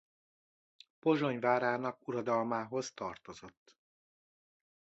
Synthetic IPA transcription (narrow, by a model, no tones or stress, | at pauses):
po̞ʒo̞ɲvaːɾaːnɒkuɾɒd̪ɒlmaːɦo̞zt̪ɒrt̪o̞zo̞t̪ː